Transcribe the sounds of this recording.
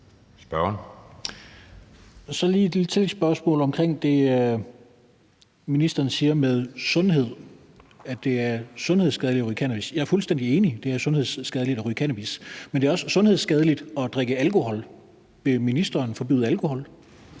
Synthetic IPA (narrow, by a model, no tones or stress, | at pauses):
sb̥ɶɐn | sɒ̽liːd̥let͡sʰe̝lsb̥ɶɐsmɔ̰̽ːlɒ̽mkʰʁeŋ̰d̥e̝ø | minisd̥ɐːn̩siːɐmeð̞ˠsɔ̽nɦe̝ð̞̰ˠ | æd̥e̝æɐsɔ̽nhe̝ð̞̰ˠsɡ̥ɛðˠlidɒʁykʰænæb̥isjɑ̈æɐfulsd̥en̰d̥ie̝ːnid̥e̝æɐsɔ̽nhe̝ð̞̰ˠsːɡ̥ɛð̞ˠlid̥ɒʁykʰænæb̥ismend̥eæɒ̽səsɔ̽nhe̝ðˠsɡ̥ɛð̞ˠəlid̥ɒ̽d̥ʁeɡ̥əælko̝hɒ̽l | ʋe̝minisd̥ɐːnfɒ̽b̥y̰ːðˠælkʰo̝hɒ̽l